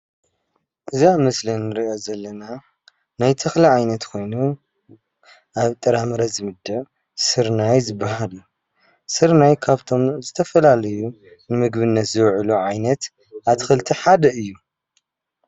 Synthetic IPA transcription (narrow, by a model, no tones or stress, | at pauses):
ʔɨziamɨslinːɨɾiʔo̞zɐlːɐna | najt̪ʰɐxliʕajnɐt̪kʰo̞jnu | ʔaβt̪ʼɨɾamɨɾɐzɨmɨd̪ɐβ | sɨɾnajzɨbːaɦalu | sɨɾnajkʰaβt̪ʰo̞mzɨt̪ʰɐfɐlalɐju | nɨmɨɡbɨnːɐt̪zɨβʕluʕajnɐt̪ | ʔat̪ʰɨxɨlt̪ʰiħad̪ɐɨjːu